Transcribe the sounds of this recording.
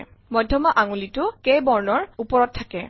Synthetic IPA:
mɔjdʱɔmaʔaŋulitʊkejbɔɹnɔɹupɔɹɔt̚tʰːakɛ

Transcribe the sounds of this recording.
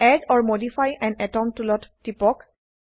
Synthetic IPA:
ɛdɔɹmodifʰajɛ̃nɛtɔmtulɔttːipɔk

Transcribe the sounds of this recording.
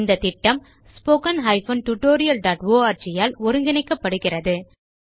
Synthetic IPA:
nd̪ɐt̪ɪʈːɐm | spoːkɐnɦɐɪfɐnʈʊʈːoːɾɪjɐlɖaːʈʋoːaːɾt͡ʃɪjaːlɔɾɯŋɡɪnɐɪkːɐpːɐɽɯɣɪrɐðɯ

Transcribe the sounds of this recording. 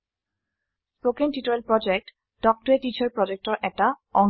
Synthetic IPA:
spokentitɔɹelpɹɔd͡ʒek̚t | d̥ɔk̚tɔɹetit͡ʃʰɔɹpɹɔd͡ʒek̚tɔɹʔɛtaɔŋ

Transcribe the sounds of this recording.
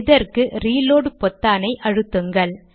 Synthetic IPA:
ðɐɾkɯɾiːloːɽpɔt̪ːaːnɐɪʔɐɻɯt̪ːɯŋɡɐɭ

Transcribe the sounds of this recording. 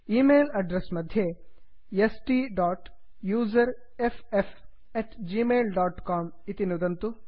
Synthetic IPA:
iːmeːlɐɖɾesmɐd̪ʱje | jesʈiːɖaːʈ | juːzɐɾ | efʰef | ɛːʈd͡ʒiːmeːlɖaːʈkaːmit̪inud̪ɐnt̪u

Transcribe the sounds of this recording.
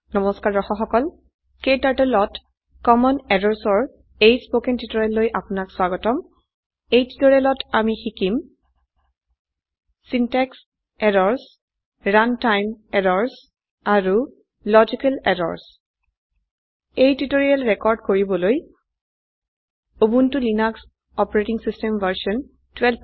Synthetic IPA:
nɔmɔskaɹɔxɔxɔkɔl | kejtaɹtɛlɔt | kɔmɔnɛɾɔɹsɔɹ | ejspokɛntitɔɹialːojʔapʊnakswaɡɔtɔm | ejtitoɹialɔtamixikim | sintɛks | ɛɹɔɹs | ɹantajmɛɹɔɹs | aɹu | lɔd͡ʒikalɛɾɔ̰ɹs | ejtitoɹialɹɛkɔɹdkoɹibɔloj | obuntʊlinaks | ɔpɔɹetiŋsistɛmvaɹsiɔn | twɛl

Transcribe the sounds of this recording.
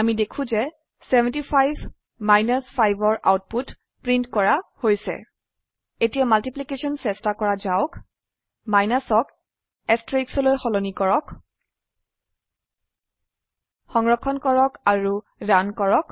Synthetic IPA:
amidekʰũzɛ | sɛbʱɛ̃ntipʰajbʱ | majnaspʰajbɔɹʔa̰wt̚put | pɹintkɔɹahojsɛ̰ | etijamaltiplikesɔnsɛstakɔɹazaʊk | majnasɔk | ɛstɹeksɔlojxɔlonikɔɹɔk | xɔŋɹɔkʰːɔnkɔɹɔkaɹu | dankɔɹɔk

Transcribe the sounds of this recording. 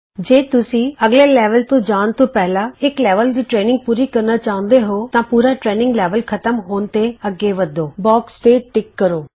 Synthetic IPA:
d͡ʒeːt̪ʊsĩːəɡleːlɛːʋəlt̪õːd͡ʒaːnt̪õːpɛɦlaːɪklɛːʋəld̪iːʈɾeːnɪ̃ŋɡ̚puːɾiːkəɾnaːt͡ʃaːɦʊ̃nd̪eɦoːt̪ãːpuːɾaːʈɾeːnɪ̃ŋɡlɛːʋəlkʰət̪əmɦoːnt̪eːəɡeːʋəd̪oːbɔːkst̪eːʈɪkːəɾoː

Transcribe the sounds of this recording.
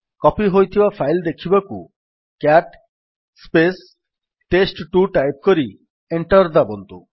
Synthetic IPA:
kɔpiɦojt̪ʰibafʰajld̪ekʰibakṵ | kaʈ | spes | ʈesʈʈuʈajp̚koɾi | eɳʈɔɾd̪abont̪u

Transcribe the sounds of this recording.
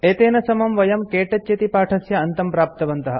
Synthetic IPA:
eːt̪eːnɐsɐmɐmʋɐjɐmkeːʈɐt͡ʃt͡ʃet̪ipaːʈʰɐsjɐːnt̪ɐmpɾaːp̚t̪ɐʋɐnt̪ɐɦɐ

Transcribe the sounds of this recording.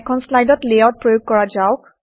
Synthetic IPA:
kʰɔnslajdɔtlejɔt̚pɹojoɡ̚kɔɹazawk

